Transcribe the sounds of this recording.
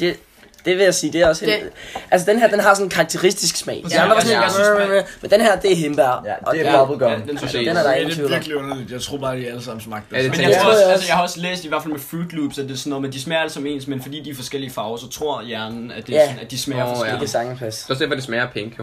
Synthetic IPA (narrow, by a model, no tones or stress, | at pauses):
d̥e̝ | d̥e̝ʋe̝jɑ̈ɪsiːd̥e̝æɒ̽seʔæls̬əd̥enɦæɐ̰d̥enɦɑ̈sɒ̽nnkʰɑ̈ːɡ̥̚t͡sʰe̝ʁisd̥isɡ̥smɛ̰ɪ̰msɔne | mmend̥enɦæɐd̥e̝æɦemb̥æɐ̰ɒ̥̽ɒb̥l̩ɡ̥ɒd̥enedenæɐd̥ɑ̈ɪent͡sʰḭɡ̥liɔnɐlid̥jɑɪt͡sʰʁo̝ɐ̰b̥ɑ̈ːd̥iæləsɑ̈mn̩smɑ̈ɡ̥̚emejo̰jsəjɑhɑɒ̽slḛːsd̥iʋæɐfælmefuːd̥luːb̥sæd̥esɔnːɔ̽ð̩ˠmend̥ismæɐd̥əsɒ̽me̝̰ːnsmenfɒ̽dḭːd̥iɐfɒ̽sɡ̥el̰iəfɑ̈ʊɐsɒ̽t͡sʰʁo̝ɐ̰jæɐnn̩æd̥e̝jææd̥ismæeɡ̥əsɑ̈ŋpʰæse̝ɒsd̥æɐfɒd̥ismæːɐpʰeŋ̥jo